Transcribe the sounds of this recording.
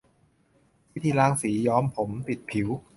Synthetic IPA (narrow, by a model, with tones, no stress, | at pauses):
i˦˥˩t̪ʰiː˧˩ɾaː˧ŋsiː˩˦jɔː˧mpʰo˩˦mpi˨˩t̪̚pʰi˩˦w